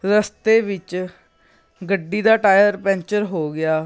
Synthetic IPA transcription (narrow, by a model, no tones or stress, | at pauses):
ɾəst̪eːʋɪt͡ʃ | ɡəɖːiːd̪aːʈaːjəɾpɛ̃ːɲt͡ʃəɾɦoːɡɪaː